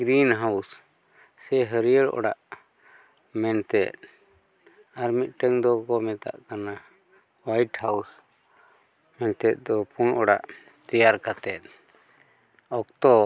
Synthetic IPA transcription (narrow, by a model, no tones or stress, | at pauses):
ɡɾinɦaws | sɛɦəɾijəɭʔɔ̰ɽaʔ | mɛnt̪ɛt̪̚ | aɾmit̪̚ˀʈəŋd̪ɔkɔmɛt̪a̰ʔkana | wajʈhaws | mɛnt̪ɛt̪̚ˀd̪ɔpunʔɔɽa̰ʔ | t̪ɛjaɾkat̪ɛt̪̚ | ɔk̚t̪ɔ